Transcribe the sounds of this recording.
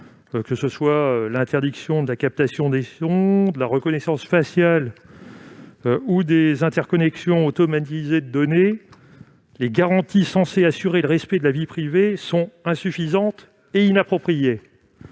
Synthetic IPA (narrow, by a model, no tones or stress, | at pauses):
kəsəswaølɛ̃t̪ɛʁd̪iksjɔ̃d̪əlakap̚t̪asjɔ̃d̪esɔ̃d̪əlaʁəkɔnɛsɑ̃sfasjal | ud̪ezɛ̃t̪ɛʁkɔnɛksjɔ̃ot̪ɔmat̪ized̪əd̪ɔne | leɡaʁɑ̃t̪isɑ̃seasyʁeləʁɛspɛd̪əlavipχivesɔ̃ɛ̃syfizɑ̃t̪ | einapχɔpχije